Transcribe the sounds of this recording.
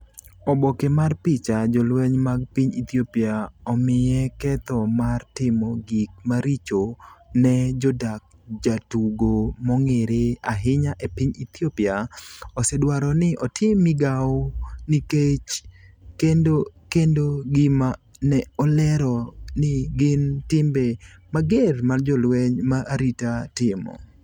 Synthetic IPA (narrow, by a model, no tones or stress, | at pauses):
ɔbɔkemarpɪt͡ʃad͡ʒɔlwɛɲmaɡ̚piɲḭt̪iopiaɔmɪjɛkɛt̪ɔmartɪmɔɡik̚maɾit͡ʃonɛd͡ʒɔdak̚d͡ʒatuɡomɔŋeɾeaɦɪɲaʔepiɲit̪jopiaɔsɛdwaɾɔnɪʔɔtʰɪmɪɡaɔniket͡ʃkendokendoɡɪma | nɛɔlɛɾɔnɪɡɪntɪmbemaɡermard͡ʒɔlwɛɲmaʔaɾitatɪmɔ̰